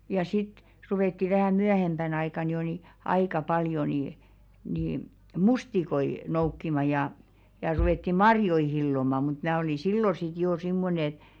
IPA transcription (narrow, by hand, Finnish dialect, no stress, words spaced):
jɑ sit ruʋeˑtːi ʋæhæˑ myæhemb̥æn ɑikɑˑn jo ni ɑikɑˑ pɑljo ni ni mustikoi noukːimɑ jɑˑ jɑ ruʋetːi mɑrjoi hilːomɑ mut mæː oli silːo sit joː simːonĕ et